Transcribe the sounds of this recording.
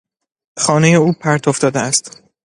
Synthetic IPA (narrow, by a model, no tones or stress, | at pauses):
xɒːneje̞uːpʰæɾt̪ʰofd̪ɒːd̪eæst̪